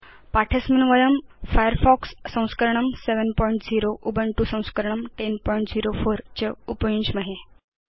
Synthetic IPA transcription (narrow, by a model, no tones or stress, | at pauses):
paʈʰəsminʋəjəmfajəɾfɔksːə̃w̃skəɾɳ̃əmseʋənpɔiɳʈd͡ziɾoʔubʱəɳʈusə̃w̃skəɾɳ̃əmʈenpɔiɳʈd͡ziɾofoɾt͡ɕəupəjũɲt͡ɕməɦe